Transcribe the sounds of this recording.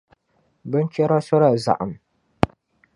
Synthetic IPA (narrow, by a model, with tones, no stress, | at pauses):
bə˦nt͡ʃe˦ɾa˦sɔ˦ɾa˨za̰˨ʔa̰˨m